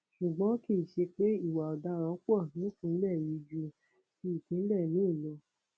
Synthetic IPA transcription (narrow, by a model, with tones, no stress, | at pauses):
ʃu˨ɡ͡bɔ̃˨˦ki˦˨ʃe˧k͡pe˦i˦˨wa˨ɔ˨da˧˦ɾɔ̃˨˦k͡pɔ˦˨nĩ˨˦tũ˦lɛ˦˨ji˨˧˦d͡ʒu˧ | ki˦i˨tĩ˨˦n̩˦lɛ˦˨nĩ˨˦i˦˨lɔ˨˧